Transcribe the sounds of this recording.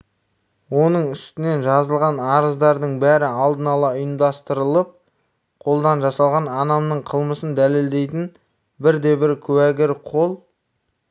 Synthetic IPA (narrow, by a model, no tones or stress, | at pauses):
wo̞nəɴʏst̪ɪne̞nʒɑzəlˠʁɑnɑɾəzd̪ɑɾd̪əɴbæɾɪɑlˠd̪ənɑlˠɑʊjəmd̪ɑst̪əɾəlˠəp̚ | qʰo̞lˠd̪ɑnʒɑsɑlˠʁɑnɑnɑmnəɴqʰəlˠməsənd̪æle̞ld̪e̞jt̪ɪn | bɪɾd̪e̞bɪɾkʲʰɵwæɡʲɪɾqʰo̞lˠ